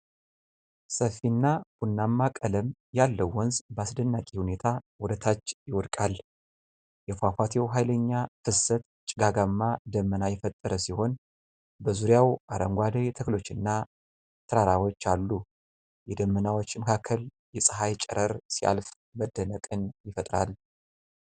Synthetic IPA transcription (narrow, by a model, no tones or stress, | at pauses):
səfinːab̥unːamːakʼələmjalːəwːɔnzbasd̪ənːakʼihune̞t̪ʰawɔd̪ət̪ʰat͡ʃːjɪwɔd̪kʼal | jɛfafʷat̪ʰewɦajləɲːafɨsət̪ | t͡ʃʼɪɡaɡamːad̪əmːənajɛfət̪ʼːəɾəsiho̞n | bəzuɾjawʔaɾəŋɡʷad̪əjt̪ʰəklo̞t͡ʃːɨnːa | t̪ʰəɾaɾawo̞t͡ʃːalːu | jɛd̪əmːənawot͡ʃːməkʰakʰːəl | jɛsʼɨɦajt͡ʃʼə̰ɾəɾsia̰lf | məd̪ːənəkʼɨnjɪfət̪ʼɾa̰l